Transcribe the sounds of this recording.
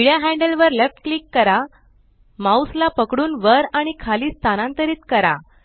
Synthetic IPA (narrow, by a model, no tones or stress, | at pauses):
iɭjaɦæ̃ɳɖəlʋəɾlefʈklikːəɾa | mauslapəkɽuːnʋəɾaɽ̃ikʰaliːst̪ʰanãnt̪əɾiːt̪kəɾa̰